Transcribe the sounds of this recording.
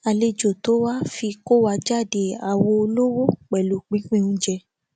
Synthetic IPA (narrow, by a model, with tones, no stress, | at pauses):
a˨le˧d͡ʒo˨to˨˦wa˦fi˧ko˦wa˧d͡ʒa˦˨de˧a˨wo˧o˧lo˦wo˦k͡pɛ˨lu˨k͡pĩ˦k͡pĩ˦˨ũ˦d͡ʒɛ˧